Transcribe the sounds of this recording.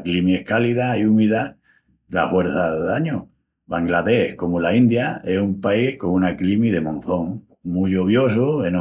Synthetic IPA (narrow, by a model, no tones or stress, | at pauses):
klimiehkaliðajumiða | la̰hwe̞ɾθaððaɲo | βaŋɡlaðe̞hko̞mulaind̪jae̞sumpaihko̞ŋunaklimiðe̞mõn̟θo̞ŋ | muʎoβjo̞s̬ueno